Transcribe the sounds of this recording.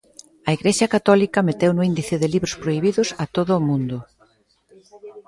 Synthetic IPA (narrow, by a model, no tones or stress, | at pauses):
ɐiɣɾeʃɐkat̪ɔlikɐmet̪ewnʊind̪iθɪðɪliβɾʊspɾoiβ̞iðʊsɐt̪oðʊːmũnd̪ʊ